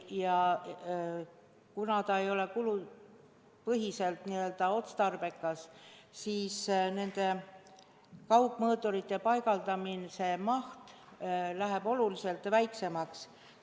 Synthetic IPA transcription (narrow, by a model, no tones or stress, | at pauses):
jɑ | kunɑt̪ɑe̞jo̞le̞kulu | pɤɦise̞lt̪niø̞ld̪̥ɑo̞t̪st̪ɑrb̥e̞kːˑɑssiːsne̞nd̪̥e̞ | kɑupːˑmɤːt̪ˑːoɾit̪ːˑe̞pɑjɡ̥ɑld̪̥ɑminse̞mɑht̪læɦeb̥o̞lulise̞lt̪væjkse̞mɑks